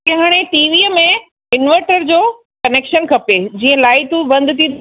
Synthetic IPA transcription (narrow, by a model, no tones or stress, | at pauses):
kɐɦaːɽ̃eʈiːʋiəmẽ | ɪnʋəɾʈəɾd͡ʑoː | kɐneːkʃənkʰɐped͡ʑiːə̃laːɪt̪ubɐ̃nd̪t̪ĩ